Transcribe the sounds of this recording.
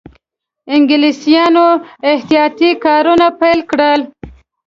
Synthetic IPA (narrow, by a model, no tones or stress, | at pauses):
ɪŋɡɪlisijɑnoɪht̪ijɑt̪ikɑɾunapajlkɽəl